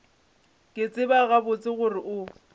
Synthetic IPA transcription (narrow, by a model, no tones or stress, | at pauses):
kʼɪt͡sʼɪbaɣabʊt͡sʼɪɣʊrɪʔʊ